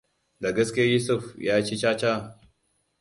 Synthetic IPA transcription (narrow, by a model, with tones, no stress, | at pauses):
da˨ɡɐ˦skʲi˦ja˦ju˦sʊ˦˨fjaː˦t͡ʃe˦t͡ʃaː˦t͡ʃa˦˨